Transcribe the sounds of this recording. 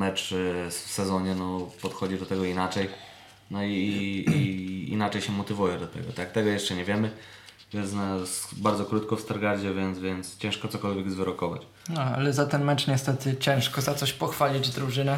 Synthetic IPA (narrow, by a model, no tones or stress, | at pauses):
mɛt͡ʂfsɛzɔɲɛnɔpɔt̪xɔd͡ʑid̪ɔt̪ɛɡɔinat͡ʂɛj | nɔi | ḭnat͡ʂɛjɕɛmɔt̪ɘvujɛd̪ɔt̪ɛ̰ɡɔ̰t̪ak̚t̪ɛɡɔjɛʂt͡ʂɛɲɛvʲjɛmɘ | vʲjɛnsnasbaɾd̪zɔkɾut̪kɔfst̪aɾɡaɾd͡ʑɛvʲjɛnt̪zvʲjɛnt̪st͡ɕɛ̃ʂkɔt̪sɔkɔlvʲjɛɡzvɘɾɔkɔva̰t͡ɕ | nɔa̰lɛzat̪ɛnmɛt͡ʂɲɛst̪ɛt̪ɘt͡ɕɛ̃w̃ʂkɔzat̪sɔɕpɔxfalʲid͡ʑd̪ɾuʐɘnɛ